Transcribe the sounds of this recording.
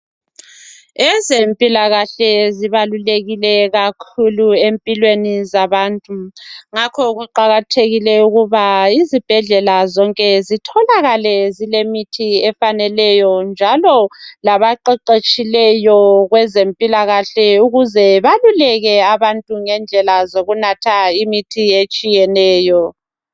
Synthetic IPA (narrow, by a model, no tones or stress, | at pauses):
ɛzempʼilaɣaɬɛziβaluleɣilɛɣakʰuluempʼilwenizaβaːntʼuŋakʰɔɣuǃaɣatʰeɣilɛuɣuβaizib̥ʱɛɮɛlazɔŋkʼɛzitʰɔlaɣalɛzilemitʰiɛfanɛlɛjɔnd͡ʒʱalɔlaβaǃɛǃet͡ʃʼilɛjɔɣwɛzempʼilaɣaɬɛuɣuzɛβalulɛɣɛaβantʼuŋɛnd͡ɮʱɛlazoɣunatʰaimitʰiet͡ʃʼijɛnɛːjɔ